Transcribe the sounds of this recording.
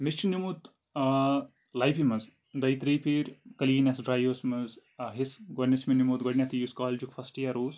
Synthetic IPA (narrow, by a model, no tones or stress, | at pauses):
mist͡ʃnumut̪ | lajpimɐz | d̪ɐjt̪ɾijpiːɾʲkɐliːnɐsɖɾaːjoːsmɐzɦisɡoɖnʲɐt͡ʃʰminimut̪ɡoɽnʲat̪ijuskaːld͡ʒukfɐsʈijaɾuːs